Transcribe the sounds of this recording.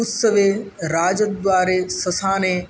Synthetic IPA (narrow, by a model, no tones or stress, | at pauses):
ʊsəʋeː | ɾaːd͡ʑət̪̚d̪ʋaːɾesɐsãːnẽ